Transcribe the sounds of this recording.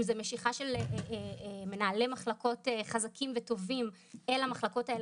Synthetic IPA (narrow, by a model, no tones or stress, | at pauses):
mzeme̞ʃiχaʃel | me̞naːle̞maχlako̞teχazakʰimveto̞vim | e̞lamaχlako̞tael